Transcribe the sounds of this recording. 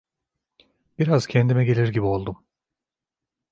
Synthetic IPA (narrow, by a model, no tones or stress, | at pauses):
b̥iɾaz̥cʰɛnd̪imɛɟe̞lʲiɾɟibio̞lˠd̪um